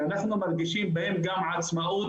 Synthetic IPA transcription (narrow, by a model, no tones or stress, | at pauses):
naħnumɪɾˤɡɪʃiːnbeːmɡamʕad̪smaʔuː